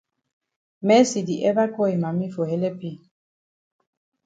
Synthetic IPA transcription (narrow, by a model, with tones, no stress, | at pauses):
mɛ˦si˨di˨ʔɛ˦ba˦kɔ˦e˨ma˨mi˦fo˨hɛ˦lɛ˦pi˦˨